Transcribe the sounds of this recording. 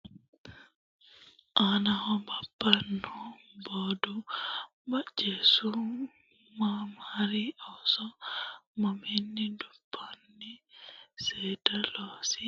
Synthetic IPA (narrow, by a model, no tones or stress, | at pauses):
ʔanahɔbabːanɔbɔdu | bad͡ʒesu | mamaɾiɔsɔmaminːidupʰːanːisɛdalɔsi